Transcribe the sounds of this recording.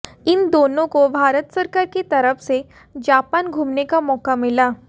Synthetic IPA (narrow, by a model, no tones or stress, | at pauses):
ind̪onõkobʱaɾət̪səɾkaɾket̪əɾəfse | d͡ʑapanɡʱumnekamɔkamila